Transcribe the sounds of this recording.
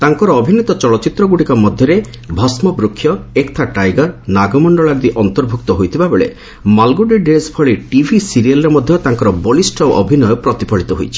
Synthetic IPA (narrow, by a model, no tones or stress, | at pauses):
t̪aŋkɔɾɔːbʱinit̪ɔt͡ʃɔɭɔt͡ʃit̪ɾɔɡuɽikɔmɔd̪ʱjɔɾe | bʱɔsmɔbɾukʰːjɔekt̪ʰaʈajɡɔɾnaɡɔmɔɳɖɔɭaɾd̪iʔɔnt̪ɔɾbʱuk̚t̪ɔɦojt̪ʰibʱabeɭḛ | malɡuɖeɖespʰɔɭeʈibʱisiɾialɔɾemɔd̪ʱjɔt̪aŋkɔɾɔbɔlisʈɔʔɔbʱinɔjɔpɾɔt̪ipɔɭit̪ɔɦo̰jt͡ʃʰi̥